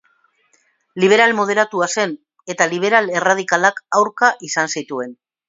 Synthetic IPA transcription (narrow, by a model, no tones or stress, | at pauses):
liβ̞e̞ɾalmo̞ð̞e̞ɾat̪uase̞n | e̞t̪aliβ̞e̞ɾale̞rað̞ikalakawɾkaʔisansit̪ue̞n